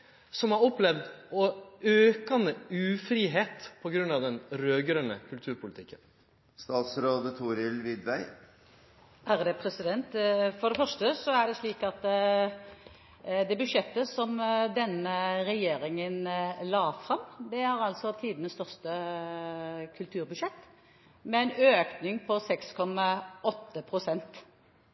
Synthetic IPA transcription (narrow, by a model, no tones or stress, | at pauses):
sɔmhɑɾɔpːlɛʋd̪ɔøːkɑnəʉːfɾiːɦeːt̪pʰɔɡɾʉnːɑʋd̪ɛnɾøːɡəɾənə̰kʰʉlt̪ʰʉːɾpʰʊlɪt̪ʰɪkːən | st̪ɑːt̪sɾoːd̪ət̪ʰuːɾɪlʋɪd̪ʋæɪ | ʔæʁd̪ɛpʰɾɛsɪd̪ɛnt̪fɔɖɛfœʁʂʈəsɔæɖɛsliːkɑt̪ | d̪ɛbʉʂɛt̪ːəsɔmd̪ɛnːəʁɛjeːɾɪŋənlɑːfʁɑmd̪ɛhɑʁɑlsɔt̪ʰiːd̪ənəst̪œʁst̪ə | kʰʉlt̪ʰʉːʁbʉʂɛt̪ː | mɛɛɪnøːknɪŋpʰɔsɛkskʰɔmɑʔɔt̪ːəpʰʁʊsɛnt̪